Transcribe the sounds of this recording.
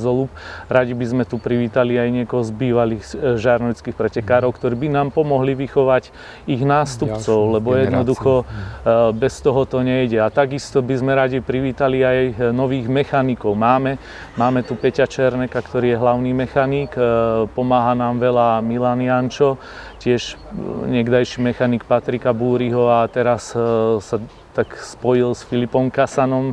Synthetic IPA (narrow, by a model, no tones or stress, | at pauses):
zɔlupɾaɟibizmɛt̪upɾiʋiːt̪aliajɲɪɛkɔɦɔzbiːʋaliːɣʒaɾnɔjt͡skixpɾɛcɛkaːɾɔʊkt̪ɔɾiːbinaːmpɔmɔɦliʋixɔʋac | iɣnaːst̪upt͡sɔʊlɛbɔjɛd̪nɔd̪uxɔ | bɛst̪ɔɦɔt̪ɔɲɛjɟɛat̪aɡist̪ɔbizmɛɾaɟipɾiʋiːt̪aliajnɔʋiːɣmɛxanikɔʊmaːmɛ | maːmɛt̪upɛcat͡ʃɛɾnɛkakt̪ɔɾiːjɛɦlaʊniːmɛxaniːkpɔmaːɦanaːmʋɛlamilanɪant͡ʃɔ | cɪɛʃɲɛɡd̪ajʃimɛxanik̚pat̪ɾikabuːɾiɦɔat̪ɛɾassa | t̪akspɔjilsfilipɔmkasanɔm